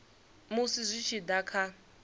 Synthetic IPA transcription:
musizʷit͡ʃʰid̪akʰa

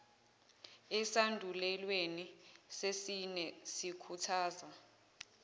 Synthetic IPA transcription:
ɛsandʱulɛlwenisesinɛsikʰutʰaːza

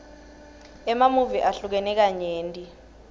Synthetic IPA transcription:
ɛmamuviʔaɬuk̬ɛnɛk̬aɲeːntʼi

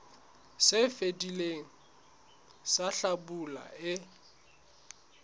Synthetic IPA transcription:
sɪfedileŋ̩ | saɬabula̰ɪ

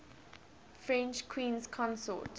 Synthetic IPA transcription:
fɹɛ̃nt͡ʃkʰwĩːnskʰɔ̃nsɔ̰t

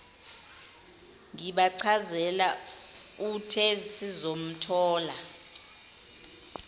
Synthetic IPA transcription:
ŋiɓaǀʰazɛla | utʰɛzisizom̩tʰɔːla

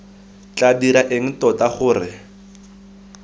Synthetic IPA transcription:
t͡ɬadiɾaʔeŋ̩tɔtaχʊːrɪ

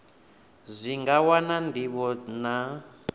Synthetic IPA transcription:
zʷiŋɡawanandiβɔna

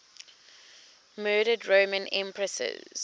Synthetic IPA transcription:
mɜːɾədɹomə̃nɛ̰̃mpʰɹəsə̰z

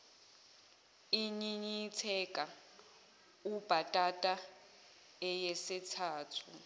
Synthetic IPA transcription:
iɲiɲitʰɛkʼa | ub̥ʱatʼatʼa | ɛjɛsitʰaːtʰu

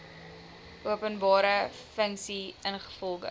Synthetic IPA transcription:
ʔuəpənbɑːɾəfəŋksiənχə̥fɔlˠɡə̰

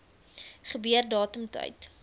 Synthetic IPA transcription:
χəbyərdɑːtəmtœ̰jt

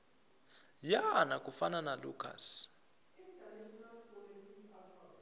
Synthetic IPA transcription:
janakʼufananalṵːkʰa̰s

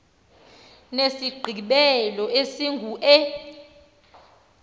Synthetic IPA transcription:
nesiɡ͡ǃʱiɓɛlɔesiŋɡʱuʔɛ

